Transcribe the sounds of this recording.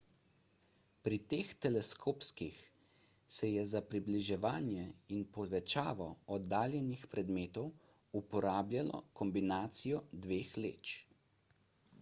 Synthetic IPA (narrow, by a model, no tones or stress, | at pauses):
pɾit̪eːxt̪ɛlɛskʰoːpskix | sɛjɛzapɾibliʒɛʋaːnjɛinpɔʋɛt͡ʃaːʋɔɔd̪ːaːljɛnixpɾɛd̪meːt̪ɔw | upɔɾaːbljalɔ̰kɔmbinaːt̪sijɔd̪ʋeːxlḛːt͡ʃ